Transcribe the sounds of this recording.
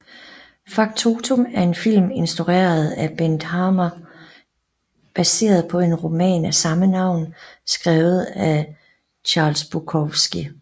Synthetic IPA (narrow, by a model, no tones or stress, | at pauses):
fɑ̈ɡ̥t͡sʰo̝t͡sʰomæɐe̝nfil̰me̝nsd̥ʁuʁḛːɐð̩ˠæb̥end̥hɑmɐ | b̥æse̝̰ːɐð̞ˠpʰɒ̽e̝nʁo̝mɛ̰ːnæsɑ̈mənɑ̈ʊ̰nsɡ̥ʁɛːʊð̩ˠæ | t͡ɕʰɑ̈ːlsb̥ukʰɒʋsɡ̥i